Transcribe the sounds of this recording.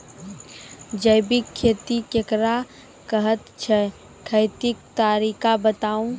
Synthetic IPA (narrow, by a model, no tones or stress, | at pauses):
d͡ʒəjbɪkʰːeːt̪ikekɾa | kəɦət̪t͡ʃʰɛ | kʰəɪt̪ɪk̚t̪aːɾiːkabət̪aːũ